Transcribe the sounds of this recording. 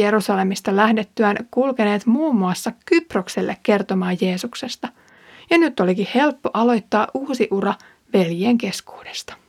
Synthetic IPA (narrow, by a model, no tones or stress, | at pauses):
eɾusɑle̞mist̪ɑlæhdet̪ːyænkulkene̞ːt̪muːmːuɑsːɑkyprokselːʔekːe̞rt̪o̞mɑːjje̞ːsukse̞st̪ɑ | jɑnyt̪ːo̞likihe̞lpːo̞ʔɑlo̞jt̪ːɑːʔuːsiʔurɑ | ʋe̞ljeːŋke̞sku̥ːd̥e̞̥st̪ɑ̥